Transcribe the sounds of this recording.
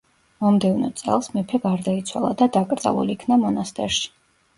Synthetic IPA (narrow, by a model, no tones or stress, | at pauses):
mɔmd̪ɛvnɔt̪sʼɛ̰lˠsmɛpʰɛɡaɾd̪ait̪sʰwa̰lˠa̰d̪ad̪akʼɾt̪sʼa̰lˠṵliikʰnamɔnast̪ʼɛ̰ɾʃi̥